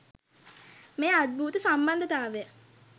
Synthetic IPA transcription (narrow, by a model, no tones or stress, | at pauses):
meːad̪̚bʱuːt̪əsamband̪ət̪aːʋejə